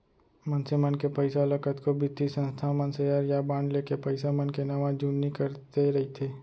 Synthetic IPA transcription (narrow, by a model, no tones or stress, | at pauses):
mənsemənkepəɪsaləkət̪kobɪt̪isə̃nst̪ʰamənseəɾjabãːɳɖlekepɐɪsamənkenɐʋãd͡ʒunnikəɾt̪eɾɐɦit̪ʰeː